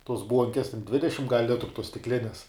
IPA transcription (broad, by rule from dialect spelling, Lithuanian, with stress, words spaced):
tuɔs ˈbuɔŋʲkʲɛs tʲɛn ˈdʲʋʲɪdʲɛʃʲɪm ɡɐlʲ ˈlʲɪtrʊ tuɔs sʲtʲɪkˈlʲɪnʲɛs